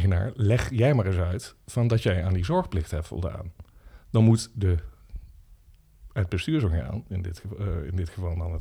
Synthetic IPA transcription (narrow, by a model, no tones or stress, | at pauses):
əna̰ːɹlɛχjɛjmaːrɪsœɥtfɑndɑtjɛjaːndizɔɹχplɪxtɦɛp̚tfɔ̰lˠda̰ːndɑnmutdə | əd̚bəstyːɹzoŋχa̰ːnɪndɪtɪ̰ndɪtχəvɑlˠdɑnə